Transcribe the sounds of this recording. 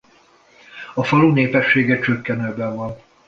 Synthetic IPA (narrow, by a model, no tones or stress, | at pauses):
ɒfɒluneːpɛʃːeːɡɛt͡ʃøkːɛnøːbɛɱvɒn